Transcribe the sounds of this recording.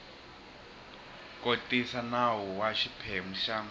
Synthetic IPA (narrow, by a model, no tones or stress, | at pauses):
kʼotʼisanawɔwaʃipʰem̩ʃaːm